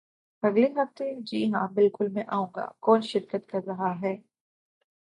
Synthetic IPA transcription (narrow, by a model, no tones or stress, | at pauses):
ɐɡleɦɐft̪ed͡ʒiːɦãbɪlkʊlmɛ̃ʔaːũːŋɡa̰ːkɔːnʃɪɾkət̪kɐɾɐɦaɦɛː